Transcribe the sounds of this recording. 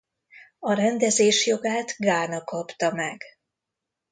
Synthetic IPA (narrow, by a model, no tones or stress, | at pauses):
ɒɾɛnd̪ɛzeːʃjo̞ɡaːt̪ɡaːnɒkɒpt̪ɒmɛɡ̥